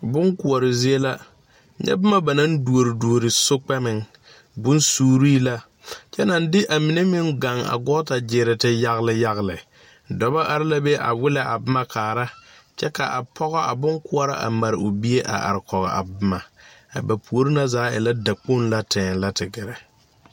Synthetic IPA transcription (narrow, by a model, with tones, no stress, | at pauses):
bʊ˦ŋku˨a˨ɾɪ˨zi˦e˦la˦ | ɲɛ̰˦bɪ˦ma˦ba˨na˦ndu˨o˨ɾɪ˨du˨o˨ɾɪ˨sʊ˦k͡pɛ˦mɪ˨ŋ | bʊ˦nsuː˦ɾiː˦la˦ | t͡ʃɛ˦na˨n˦dɪ˦ʔa˨mi˨ne˦mɪ˦ŋɡa˨ŋa̰˨ɡɔ˦ta˨d͡ʒɪ˨ɾɪ˨tɪ˦ja˦ɣlɪ˨ja˦ɣlɪ˨ | dɔ˨ba˦ʔa˦ɾɪ˦la˦be˦ʔa̰˨wɪ˦la˨ʔa̰˨bɪ˦ma˦kʰaː˨ɾa˦ | t͡ʃɛ˦ka˨ʔa˨pʰɔ˦ɣɔ˦a˨bʊ˦ŋkʊ˦ɔ˦ɾa˦ʔa̰˨ma˨ɾɪ˨ʊ˨bi˦e˦ʔa̰˨ʔa̰˨ɾɪ˨kɔ˨ɣɔ̰˨a̰˨bɪ˦ma˨a̰˨ba˨pu˨o˨ɾi˦na˦zaː˨˦ɪ̰˨la˦da˨k͡po˦nla˦tʰɛː˨nla˦tʰɪ˨ɡɪ˨ɾɛ˨